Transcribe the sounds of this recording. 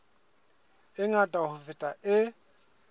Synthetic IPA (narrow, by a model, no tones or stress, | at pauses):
ɪŋatʼaɦʊvɪtʼaʔɪ